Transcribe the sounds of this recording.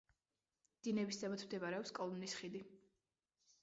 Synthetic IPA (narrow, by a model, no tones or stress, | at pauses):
d̪̥inɛbisd̪ʰabat̪ʰmd̪ɛβaɾɛɔpskʼɔlˠɔnisχid̪i